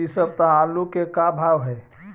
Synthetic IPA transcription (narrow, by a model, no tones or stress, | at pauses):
isəb̚t̪ɐɦaːlũkekabʱaːʋɦɛː